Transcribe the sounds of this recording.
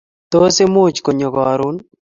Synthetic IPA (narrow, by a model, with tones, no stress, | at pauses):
t̪o˦se˦mʊ˦˨t͡ʃko˨ɲo˨ɡɔ˨a˨ɾʊ˦n